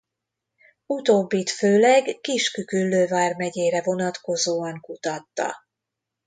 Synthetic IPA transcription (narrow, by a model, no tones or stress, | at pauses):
ut̪oːbːit̪føːlɛɡːiʃkykylːøːvaːrmɛɟeːɾɛvo̞nɒt̪ko̞zoːɒŋkut̪ɒt̪ːɒ̰